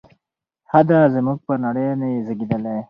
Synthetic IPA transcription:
had̪azəmuɡ̚pənaɽejnezəɡid̪əle

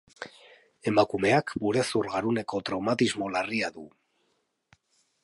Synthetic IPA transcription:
e̞makume̞akbuɾesuɾɣaɾune̞ko̞t̪ɾawmat̪izmo̞lariaðu

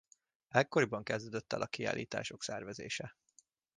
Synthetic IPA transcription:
ɛkːo̞ɾibɒŋkɛzd̪øːd̪øt̪ːɛlʔɒkia̰ːlʔiːt̪a̰ːʃo̞ksɛrvɛzḛːʃɛ

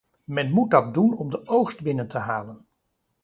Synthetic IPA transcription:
mɛnmut̚dɑt̚dunɔmdəʔowχstbɪnəntəɦaːlən

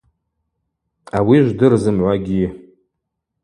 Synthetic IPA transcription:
awiʒʷdɨrzɨmʕʷaɡʲi

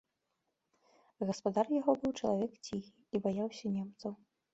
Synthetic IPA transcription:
ɣɐspad̪arjaɣɔbɨwt͡ʂɐlˠavʲɛkt͡sʲixʲiibajawsʲɐnʲɛmt̪sɐw

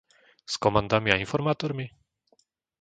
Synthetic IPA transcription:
skɔmand̪amʲiainfɔɾmat̪ɔɾmʲi

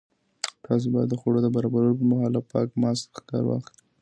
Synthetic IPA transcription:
t̪ʰɑs̬obɑjad̪ːəxoɽod̪əbaɾɑbaɾəlop̬əmaxalapɑkmɑst̪kɑ̰ɾwɑ̰xi

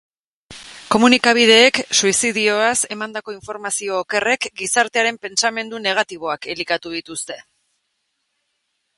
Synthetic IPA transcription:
ko̞munikaβ̞ið̞e̞ːksuisiðio̞ase̞mand̪ako̞iɱfo̞ɾmasio̞ːke̞re̞kɡisaɾt̪e̞aɾe̞mpe̞nt͡same̞nd̪une̞ɣ̞at̪iβ̞o̞ake̞likat̪uðit̪ust̪e̞

